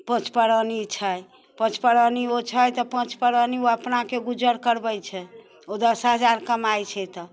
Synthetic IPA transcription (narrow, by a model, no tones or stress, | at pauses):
pə̃t͡ʃpəɾənit͡ʃʰəj | pə̃t͡ʃpəɾəniot͡ʃʰəjt̪ɔpə̃t͡ʃpəɾənioəpnakeɡud͡ʒəɾkəɾbɛjt͡ʃʰɛ | od̪əsɦəɦəd͡ʒaɾkəmajt͡ʃʰɛt̪ɔ